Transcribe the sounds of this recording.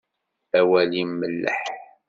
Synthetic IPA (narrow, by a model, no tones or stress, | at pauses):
æwælimːəlːə̰ħ